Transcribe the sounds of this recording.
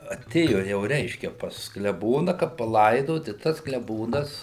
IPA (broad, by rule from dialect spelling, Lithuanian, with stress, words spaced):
ɐˈtʲeːjoː jɛʊ ˈrʲɛɪʃʲkʲɛ pɐs klʲɛˈboːnɐ kɐt pɐˈlˠɐɪdoːt ɪ tɐs klʲɛˈboːnɐs